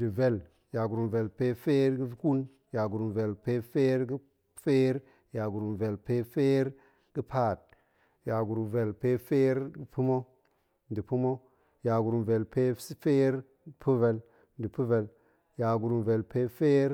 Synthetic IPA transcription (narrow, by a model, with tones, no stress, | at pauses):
di˨ve˨l | ja˨ɡu˨ɾu˨mve˨lpe˦fe˦ɾɡi˦ku˦l | ja˨ɡu˨ɾu˨nve˨lpe˦fe˦ɾɡi˦ | fe˦ɾ | ja˨ɡu˨ɾu˨mve˨lpe˦fe˦ɾ | ɡ̥i˦pʰa˦˨t̚ | ja˨ɡu˨ɾu˨ve˨lpe˦fe˦ɾɡi˦pu˦mo˦ | ndi˨pu˦mo˦ | ja˨ɡu˨ɾu˨mve˨lpe˦sfe˦ɾ | pʰu˦ve˨l | n˨di˨pu˦ve˨l | ja˨ɡu˨ɾu˨nve˨lpe˦fe˦ɾ